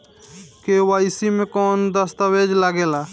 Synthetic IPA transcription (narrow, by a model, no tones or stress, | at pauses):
kewajsimekɔnd̪əst̪əwed͡ʒlaɡela